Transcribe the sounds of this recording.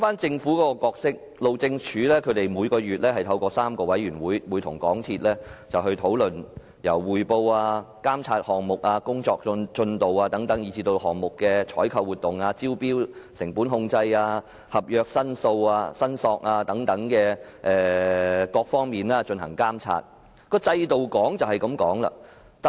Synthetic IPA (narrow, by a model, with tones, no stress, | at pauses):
faː˥nt͡sɪ˧ŋfuː˨˥kɔː˧˥ɔ˧kɔː˧k̚sɪ˥k̚ | lo˨˧wt͡sɪ˧ŋt͡ʃʰyː˨˥lɛː˥kʰɵ˨˧˥t̪e˨jmuː˨˧jkɔː˧jyː˨t̚lɛː˥ɦɐ˨˩jt̪ʰɐ˧wkɔː˧saː˥mkɔː˧wɐ˨˥jɥyː˨˩nwuː˨˥jwuː˨˧jt̪ʰʊ˨˩ŋkɔ̰ː˨˥ŋt̪ʰiː˧t̚lɛː˥t͡sɐ˨wɦɵ˧ɥt̪ʰo˨˥wlɵ˨n | jɐ˨˩wːuː˨jpo˧waː˧kaː˥mt͡sʰaː˧t̚hɔː˨ŋmʊ˨k̚aː˧kʊ˥ŋt͡ʃɔː˧k̚nt͡ʃɵ˧nt̪o˨waː˧t̪ɐ˨˥ŋt̪ɐ˨˥ŋjiː˨˧t͡siː˧t̪o˧whɔː˨˩ŋmʊ˨kːɛː˧t͡ʃʰɔː˨˥jkʰɐ˧wu˨t̚t̪ːʊ˨˩ŋaː˧t͡siː˥wpiː˥wsɪ˨˩ŋpuː˨˥nɦʊ˧ŋt͡sɐ˧jaː˧ | hɐ˨p̚jœː˧k̚sɐ˥nso˧waː˧sɐ˥nsɔː˧k̚aː˧t̪ɐ˨˥ŋt̪ɐ˨˥ŋkɛː˧ | ʔɛː˨kɔː˧k̚fɔː˥ŋmiː˨˩nlaː˥t͡ʃɵ˧nhɐ̰˨˩ŋkaː˥mt͡sʰa̰ː˧t̚ | kɔː˧t͡sɐ˧jt̪o˨wkɔː˨˥ŋt͡sɐ˨whɐ˨jkɐ˨˧˥mkɔː˨˥ŋlɐ̰˧ | t̪